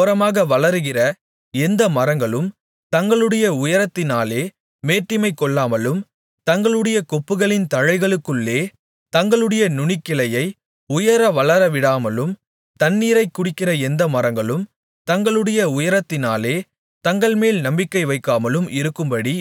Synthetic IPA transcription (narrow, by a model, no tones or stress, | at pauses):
ɾɐmaːɣɐʋɐɭɐɾɯɣɪrɐ | ɛnd̪ɐmɐɾɐŋɡɐɭɯm | t̪ɐŋɡɐɭɯɽɐjɐʊjɐɾɐt̪ːɪnaːleː | meːʈːɪmɐɪkːɔɭːaːmɐlɯm | t̪ɐŋɡɐɭɯɽɐjɐkɔpːɯɣɐɭɪnt̪ɐɻɐɪɣɐɭɯkːɯɭːeː | t̪ɐŋɡɐɭɯɽɐjɐnʊɳɪkːɪlɐjɐɪ | ʊjɐɾɐʋɐɭɐɾɐʋɪɽaːmɐlɯm | t̪ɐnːiːɾɐɪkːʊɽɪkːɪrɐɛnd̪ɐmɐɾɐŋɡɐɭɯm | t̪ɐŋɡɐɭɯɽɐjɐʊjɐɾɐt̪ːɪnaːleː | t̪ɐŋɡɐɭmeːlnɐmbɪkːɐɪʋɐɪkːaːmɐlɯmʔɪɾɯkːɯmbɐɽi